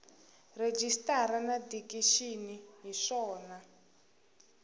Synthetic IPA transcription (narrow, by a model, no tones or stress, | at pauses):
red͡ʒistaɾanadikiʃiniɦiʂɔːna